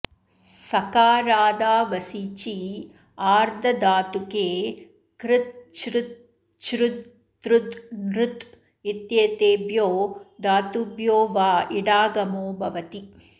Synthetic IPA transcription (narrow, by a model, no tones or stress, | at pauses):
sɐkaːɾaːd̪aːʋɐsit͡ʃi | aːɾd̪ʱɐd̪aːt̪ukeː | kɾɪt̪̚t͡ʃɾɪt̪ | t͡ʃɾut̪ː | ɾud̪nɾut̪ | it̪jet̪eːbjoːd̪aːt̪ubjoːʋaːiɽaːɡɐmoːbʱɐʋɐt̪i